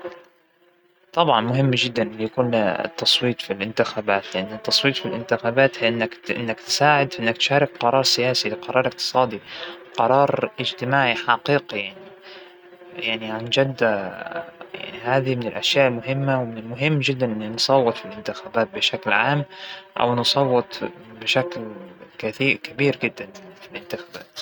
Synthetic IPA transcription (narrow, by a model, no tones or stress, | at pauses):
t̪ˤɑbʕɑnmʊɦɪmːd͡ʒɪd̪ːanʔɪnːjakuːn̰t̪ːɑsˤwiːt̪ˤfilʔɪnt̪ɪxaːbaːt̪lɪʔanːɪt̪ːɑsˤwiːt̪ˤfilʔɪnt̪ɪxaːbaːt̪hʔɪnːakʔɪ̰nːakt̪saːʕɪd̪fiʔɪnːakt̪ʃaːɾˤɪk̚qɑɾˤɑːɾˤsɪjaːsilɪqɑɾˤɑːɾˤʔɪq̚t̪ɨ̥sˤɑːd̪iqɑɾˤɑːɾˤʔɪd͡ʒt̪ɪmaːʕiħɑqiːqijaʕni | jaʕniʕand͡ʒad̪ːa | ja̰ʕnihaːðimɪnɪlʔaʃjaːʔɪlmʊɦɪmːawmɪnɪlmʊɦɪmːd͡ʒɪd̪ːanʔɪnːinsˤɑwːɨt̪ˤfilʔɪnt̪ɪxaːbaːt̪̚bɪʃaklʕaːmʔa̰wnɨsˤɑwːɨt̪ˤbɪʃaklkaθiːʔkabiːɾɡɪd̪ːanfilʔɪnt̪ɪxaːbaːt̪